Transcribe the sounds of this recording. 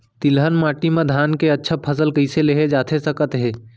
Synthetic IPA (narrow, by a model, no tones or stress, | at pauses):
t̪ɪlɦənmaːʈimẽd̪ʱaːnkeətːʃʰapʰəsəlkəɪseleɦed͡ʒaːt̪ʰesəkət̪ɦeː